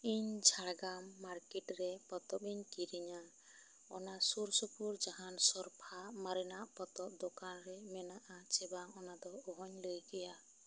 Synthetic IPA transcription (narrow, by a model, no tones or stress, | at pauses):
iɲd͡ʒʱaɽɡamːaɾkɛʈɾɛpɔt̪ɔpiɲkiɾiɲa | ɔ̰nasuɾsupuɾd͡ʒaɦansɔɾpʰamaɾɛnaʔpɔt̪ɔp̚d̪okanɾɛmɛnaʔat͡ʃɛbaŋɔnad̪ɔɔɦɔɲləjɡɛja